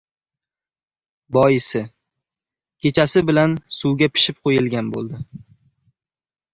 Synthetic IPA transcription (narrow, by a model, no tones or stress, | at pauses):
bɒjɪsɪ | kʲʰe̞t͡ʃʰasɪbɪlansuwɡʲapʰɪ̥ʃɪp̚qʰojɪlɡʲanbo̰lˠd̪ɪ